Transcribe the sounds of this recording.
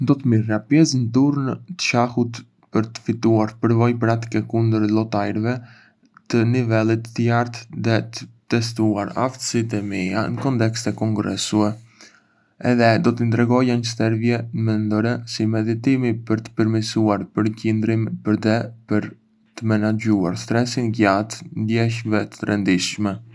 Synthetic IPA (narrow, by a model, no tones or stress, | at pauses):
nd̪ɔt̪əmirapjɛsnət̪uɾnt̪ə̥ʃahut̪ | pəɾt̪ə̥fit̪uaɾpəɾvɔjpɾat̪i̥kɛkund̪əɾlɔt̪ajɾvɛ | t̪ənivɛlˠit̪ːəjaɾt̪ðɛt̪ət̪ɛs̬t̪uaɾa̰ft̪ə̥sit̪̬ɛmianəkɔnt̪ɛkst̪ɛkɔŋɡɾɛ̰suɛ | ɛ̰ðɛd̪ɔt̪ənd̪ɾɛɡɔjanəsɛɾvjɛmɛnd̪ɔɾɛsimɛðit̪imipəɾt̪ə̥pəɾmisuaɾpəɾcind̪ɾimpəɾd̪ɛpəɾ | t̪əmɛnad͡ʒuaɾst̪ɾɛsinɟat̪nd̪jɛʃ̬vɛt̪ə̥ɾɛnd̪iʃmɛ